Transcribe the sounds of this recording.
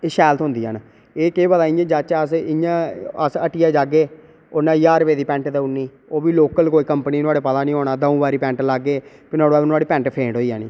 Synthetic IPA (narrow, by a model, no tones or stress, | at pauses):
eʃɛːlət̪ɦʊnd̪iːɦa̰ːn | eːkeːbət̪aːĩɡeːd͡ʒat͡ʃːəsɪjãːəsəʈɪjaːd͡ʒaːɡeː | onãːjaːɾpeːd̪iːpɛ̃ːɳʈd̪əuniː | oːbiːloːkəlkoːiːkəmpniːnʊaːɽeːpət̪aːnĩːɦoːnaːd̪əũːbaːɾiːpɛ̃ːɳʈlaɡeːpɪnoaːɽoaːnʊaːɽiːpɛ̃ːɳʈpʰẽːɳʈɦoːiːja̰ːnḭː